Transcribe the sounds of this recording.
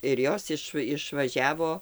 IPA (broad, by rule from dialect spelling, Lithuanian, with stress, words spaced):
ɪr ˈjoːs ɪʃ ɪʃʋɐˈʒʲæːʋoː